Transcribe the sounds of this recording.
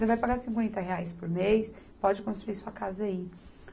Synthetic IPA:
sevajpaɡasĩŋkwẽnt̪ɐɦeajspoɾmejs | pɔd͡ʒɪkõst̪ɾuiɾsuɐkazɐai

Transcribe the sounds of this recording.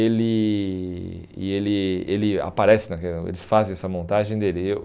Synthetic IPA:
elɪ | ɪ̰elɪelɪa̰paɾɛsɪnɐkɛ̃ḛlɪsfazẽj̃ɛsɐmõnt̪aʒẽj̃d̪elɪe

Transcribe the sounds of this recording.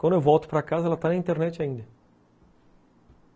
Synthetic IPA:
kwɐ̃nd̪ewvɔwt̪ʊ̥pɾakazɐɛlɐt̪anɐĩnt̪eɾnɛt͡ʃaĩnd̪ɐ

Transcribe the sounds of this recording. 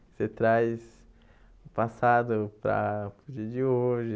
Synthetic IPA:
sɪt̪ɾajs | ʊpasad̪ʊpɾɐ̰pɾd͡ʒiɐd͡ʒɪoʒɪ

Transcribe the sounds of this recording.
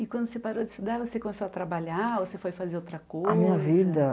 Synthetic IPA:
ɪkwɐ̃d̪ʊsepaɾod͡ʒɪst̪ud̪aɾvosekõmesowat̪ɾabaʎaosefojfazeɾowt̪ɾɐkojamĩɲɐvid̪ɐ

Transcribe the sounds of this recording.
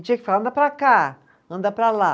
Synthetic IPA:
d͡ʒiɐkɪfalɐ̃d̪ɐpɾaka | ɐ̃nd̪ɐpɾala

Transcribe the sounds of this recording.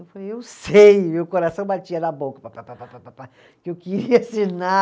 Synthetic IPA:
ewfalejewsejmeʊkoɾasɐ̃w̃bat͡ʃiɐnɐbokɐ̥papapaapapapa | kɪewkɪɾiɐsina

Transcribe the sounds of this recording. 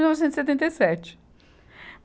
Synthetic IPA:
wnɔvisẽt̪zset̪ẽnt̪ejsɛt͡ʃɪ̥ | m

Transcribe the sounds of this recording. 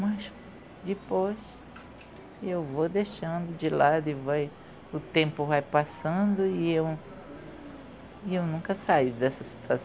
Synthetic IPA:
mɐs | d͡ʒ̪ɪpojʃ | ewvod̪eʃɐ̃nd̪ʊd͡ʒɪlad̪ʊɪvaj | ʊt̪ẽmpʊvajpasɐ̃d̪ʊiew | iewnũkɐsaid̪ɛsɐsi̥t̪as

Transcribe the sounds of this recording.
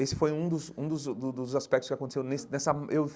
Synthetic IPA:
esɪ̥fojũd̪ʊzũd̪ʊzd̪ʊd̪ʊzaspɛk̚t̪ʊskɪakõt̪esewnesɪnɛsɐʔew

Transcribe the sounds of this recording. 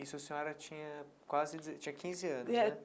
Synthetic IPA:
issẽɔɾɐt͡ʃĩɲɐ | kwazɪd͡ʒt͡ʃĩɲɐkʰĩzɪɐ̃nʊɛɛ

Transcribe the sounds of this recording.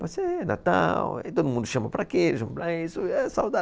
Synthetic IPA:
pasena̰t̪a̰wɛt̪od̪ʊmũnd̪ʊʃɐ̃mɐpɾakiʒɐ̃mplãisʊɛsawd̪a

